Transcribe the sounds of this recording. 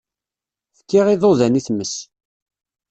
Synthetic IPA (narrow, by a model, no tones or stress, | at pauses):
θə̥kːɪʁiðˤoðæniθməs